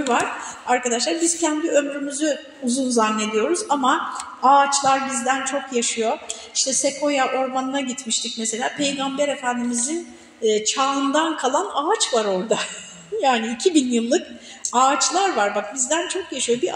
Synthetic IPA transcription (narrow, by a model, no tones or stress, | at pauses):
vaɾ̥aɾkad̪aʃlˠaɾbiz̥cʰænd̪iø̞mɾymyzy | uzunzanːe̞d̪ijo̞ɾuzama | aːt͡ʃlˠaɾbizd̪ænt͡ʃʰo̞kjaʃɯjo̞ | iʃt̪ʰɛsekʰo̞jaʔo̞ɾmanɯnaɟit̪miʃt̪ʰic̚mese̞lʲaːpʰe̞jɡambeɾe̞fænd̪imizinː | t͡ʃʰaːɯnd̪ankʰalˠanaːt͡ʃvaɾo̞ɾd̪a | jaːniːcʰibinjɯlˠːɯk | aːt͡ʃlˠaɾvaɾbakbizd̪ænt͡ʃʰo̞kjaʃɯjo̞bi